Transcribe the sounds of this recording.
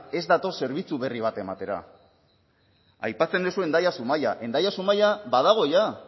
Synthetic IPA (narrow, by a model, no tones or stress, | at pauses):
e̞zd̪at̪o̞se̞ɾβit͡suβe̞riβ̞at̪e̞mat̪e̞ɾa̰ | a̰jpat͡se̞nd̪esue̞nd̪ajasumaja̰ʔe̞nd̪ajasumajaβað̞aɣ̞o̞ja